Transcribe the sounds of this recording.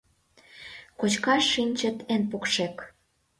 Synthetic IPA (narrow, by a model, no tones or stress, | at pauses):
kot͡ɕkɑʃːinʲt͡ɕə̆t̪enpokʃek